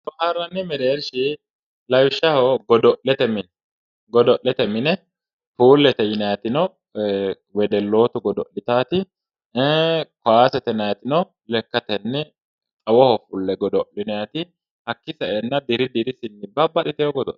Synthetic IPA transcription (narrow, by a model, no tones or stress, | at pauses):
t̪ɔʔaɾːɐnːɪmɛɾeːɾʃɪ | lɐjʊʃːɐhɔɡɔd̪ɔʔɛt̪ɛmɪn | ɡɔd̪ɔʔɛt̪ɛmɪnɛ | fuːlːɛt̪ɛjɪnɐjɐt̪ɪnɔ | wɛd̪ɛlːo̞ːt̪ʊɡɔd̪ɔʔɪt̪aːt̪ɪ | kwaːsɛt̪ɛnɐjɐt̪ɪnɔ | lɛkːɐt̪ɛnːɛ | t͡sʼɐwɔhɔfʊlːɛɡɔd̪ɔʔɪnɛjɐt̪ɪ | hɐkːɪsɐʔɛnːɐd̪ɪɾɪd̪ɪɾɪsɪnːɪbɐbːɐɗɪt̪ɛhɔɡɔd̪ɔ̰ʔ